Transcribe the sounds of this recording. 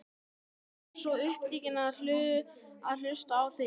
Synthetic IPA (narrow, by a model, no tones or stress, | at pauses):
sɔʏhp̚t̪iːcɪnaðl̥ʏːðʏaðl̥ʏst̪aːwθi